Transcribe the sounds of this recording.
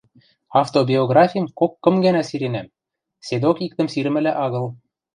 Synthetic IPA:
ɑft̪obʲioɡrɑfʲijə̆mkokːɤ̆mɡænæsiɾenæm | sed̪okik̚t̪ɘ̆msiɾɘ̆mɘ̆læʔɑɣɤ̆l

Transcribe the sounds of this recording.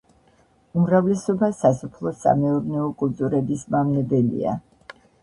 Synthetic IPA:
umɾavlɛsɔbasasɔpʰlˠɔsa̰mɛuɾnɛɔkʼulˠt̪ʼuɾɛbismamnɛbɛlḭa̰

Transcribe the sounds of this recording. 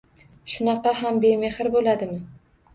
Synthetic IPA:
ʃʊnɑqɑɦambe̞me̞hɪɾbolad̪ɪmɪ

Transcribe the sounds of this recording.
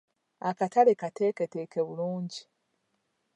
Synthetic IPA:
akatalekate̞ːketekeβuluːɲɟi

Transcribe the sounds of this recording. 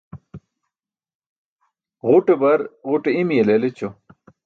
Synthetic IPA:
ʁuʈebɐɾʁuʈeimielelet͡ɕo

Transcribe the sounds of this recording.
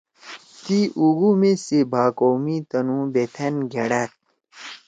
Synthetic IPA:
t̪iʔuɣumesebʱaːkoːmit̪ɐnũːbet̪ʰɐnɡeɽat̪̚

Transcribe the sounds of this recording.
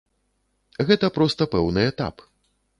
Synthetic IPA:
ɣɛt̪ɐpɾɔst̪ɐpɛwnɨɛt̪a̰p

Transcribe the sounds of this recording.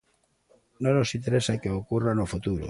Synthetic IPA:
nõnosint̪eɾesakeokuranofut̪uɾo̰

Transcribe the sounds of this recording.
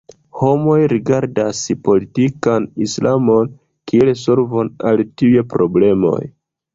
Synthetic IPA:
ho̞mo̞jɾiɡaɾdaspo̞litikanislʔamo̞n | kieleso̞ɾvonaltiuje̞pɾo̞ble̞mo̞̰j

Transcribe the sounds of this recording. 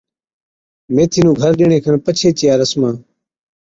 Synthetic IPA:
meːt̪ʰiːnũːɡʱəɾɗeːɳeːkʰənpət͡ʃʰeːt͡ʃɪjaːɾəsmãː

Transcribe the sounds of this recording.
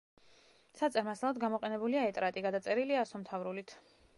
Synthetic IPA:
sat̪sʼɛɾmaslˠad̪ɡamɔqʼɛnɛbuliaɛt̪ʼɾat̪ʼiɡad̪at̪sʼɛɾiliasɔmt̪ʰavɾulit̪ʰ

